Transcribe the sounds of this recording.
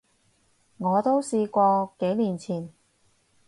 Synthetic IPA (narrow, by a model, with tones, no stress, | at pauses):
ŋɔː˨˧t̪o˥wsiː˧kʷɔː˧ke˨˥jnliː˨˩nt͡sʰiː˨˩n